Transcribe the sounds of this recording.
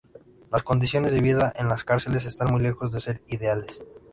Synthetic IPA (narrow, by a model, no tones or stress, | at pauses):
lasko̞nd̪isjo̞ne̞zðe̞βiðaʔe̞nlaskaɾse̞le̞s̬e̞st̪anmujle̞xo̞zðe̞se̞ɾiðe̞ale̞s